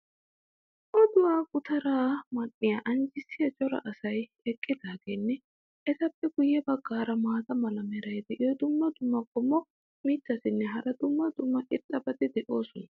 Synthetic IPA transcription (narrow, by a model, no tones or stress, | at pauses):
ʔɔd̪ʊwaːkʼʊt̪ɐɾaːmɐnːɪjaːʔɐnd͡ʒɪsːɪjɐt͡ʃʼɔɾɐ̰ʔɐsɐj | ɛkʼːɪd̪aːɡenːɛ | ʔɛt̪ɐpːɛɡʊjːɛbɐɡːaːɾɐmaːzɐmɐlɐmɛɾɐjd̪ɛʔɪɔd̪ʊmːɐd̪ʊmːɐkʼɔmːɔ | mɪt̪ːɐsɪnːɛɦɐɾɐd̪ʊmːɐd̪ʊmːɐʔɪt̪ʼːɐbɐd̪ɪd̪ɛʔo̞ːsɔnɐ